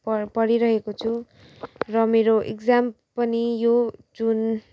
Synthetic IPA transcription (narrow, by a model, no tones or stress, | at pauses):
ppʌɾiɾʌɦekot͡sʰu | rʌmeɾoʔḛkd͡zam | pʌnijod͡zun